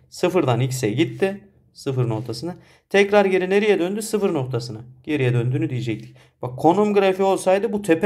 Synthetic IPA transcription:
sɯfɯɾd̪anicsɛɟit̪ʰːɪ | sɯfɯɾno̞ɾt̪ʰasɯnɯ | t̪ʰɛcɾaɾɟe̞ɾineɾijɛd̪ønd̪ysɯfɯɾno̞k̚t̪ʰasɯnaɟe̞ɾijɛd̪ønd̪yːnyd̪ijid͡ʒɛc̚t̪ʰi̥ | b̥akʰːo̞numɡɯɾafio̞lˠsajd̪ɯbut̪ʰep

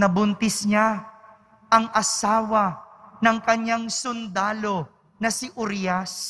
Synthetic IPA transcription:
nɐbʊnt̪ɪsɲa | ʔɐŋʔɐsaːwɐnɐŋkɐɲːaŋsʊnd̪aːlo̞ | nɐsɪʔʊɾjas

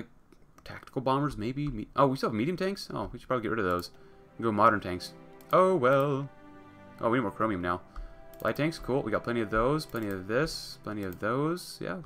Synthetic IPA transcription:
laɪk̚ | tʰæ̰k̚tə̥kl̩ˠbɑ̃mə˞zmeɪbimiʔoʊwisolˠvmiɾiɨmtʰæ̃ŋkso̰ʊwiʃɨd̥̚ʰɹɑbliɡɛʔɹɪɾʌvðoʊz̥ | ɡoʊmɑɾə˞ntʰæ̃ŋksʔoʊwɛlˠ | ʔo̰ʊwiĩnmɔɹkʰɹoʊ̃miɨ̃mnaʊ̥lʔaɪtʰæ̃ŋkskʰulˠwḭɡɑt̚pʰlɛɾ̃iʌvðoʊz̥pʰl̥ɛ̃ɾiʌvðɪspʰl̥ɛ̃ɾ̃iʌvðoʊz̥jæ̰

